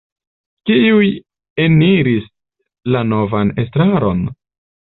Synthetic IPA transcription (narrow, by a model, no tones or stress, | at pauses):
kiuj | e̞niɾis | lano̞vane̞stɾaɾo̞n